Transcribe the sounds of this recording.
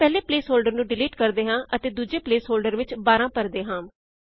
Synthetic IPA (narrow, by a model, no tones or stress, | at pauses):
pɛːleːpleːsɦoːlɖəɾnũːɖɪliːʈkəɾd̪eːɦãːʔət̪eːd̪uːd͡ʒeːpleːsɦoːlɖəɾʋɪt͡ʃbaːɾãːpəɾd̪eːɦãː